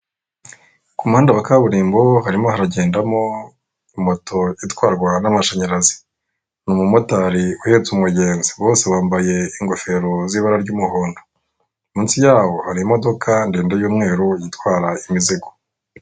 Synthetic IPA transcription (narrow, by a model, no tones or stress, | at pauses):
kumuhaːndaβakaβuɾiːmbo̞haɾimo̞ɦaɾaɟeːndamo̞ | imotʰo̞itwaːɾɡwanamaʃaɲaɾazi̥ | numumotaɾiuhet͡sumŋuɟeːnzi̥βo̞ːse̞βaːmbaje̞iŋɡofe̞ɾoziβaɾaɾɟuːmuhoːndo | miːnsijaːwo̞haɾimo̞do̞kʰandeːndajuːmŋe̞ːɾuijitwaːɾaimiziɡo̥